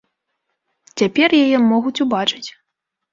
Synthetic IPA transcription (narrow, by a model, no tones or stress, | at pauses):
t͡sʲapʲɛrjajɛmɔɣut͡sʲubat͡ʂɨ̥t͡sʲ